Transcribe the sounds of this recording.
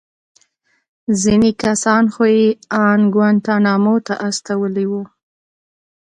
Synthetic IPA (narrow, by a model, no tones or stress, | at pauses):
zinekasɑnxojeɑnɡwant̪anɑmot̪a̰ʔast̪awəliwu